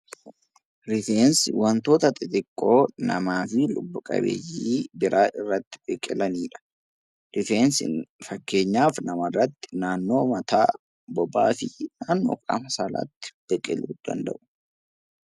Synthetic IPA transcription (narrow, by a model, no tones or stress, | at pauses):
ɾɪfeːnsɪwɐnt̪o̞ːt̪ɐt̪ʼɪt̪ʼɪkʼːo̞ːnɐmaːfɪlʊbːʊkʼɐ̰bḛːjiːbɪɾʔaːʔɪrːɐt̪ːɪ̥bɛkʼɪlɐniːᶑɐ̥ | d̪̥ɪfeːnsɪ̰fɐkːe̞ːɲːaːfnɐmɐrːɐt̪ːɪ̥naːnːo̞ːmɐt̪aː | bɔba̰ːfɪnaːnːo̰ːkʼɐ̰mɐsɐlɐ̰t̪ːɪ̥b̥ɛkʼɪluːd̪ɐ̰nd̪ɐ̰ʔʊ̥